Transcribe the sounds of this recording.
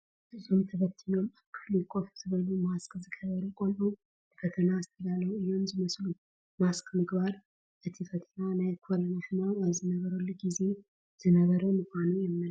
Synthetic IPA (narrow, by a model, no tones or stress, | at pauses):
ɨzomt̪ʰəβət̪ʰːɨnəwmakʰːflikʼofzɨβəlumaskʼzɨkʰəβəɾkʼonʔu | bəfət̪ʰənaːst̪ʰədaləwɨjomzɨməslu | maskʼmɨɡbaɾ | ʔɨt̪ʰifət̪ʰənanajkʰolənaʃɨnaəzɨnəβəɾəlːɡize̞ | z̥ɨnəβəɾəmɨkʷanujɛmːɨl